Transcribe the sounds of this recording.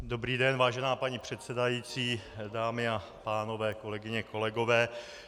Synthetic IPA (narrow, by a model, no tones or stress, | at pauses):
do̞bɾiːdɛnvaːʒɛnaːpaɲipr̝̥ɛt̪sɛdajiːt͡siːdaːmɪa | paːno̞vɛːko̞lɛɡɪɲɛko̞lɛɡo̞vɛː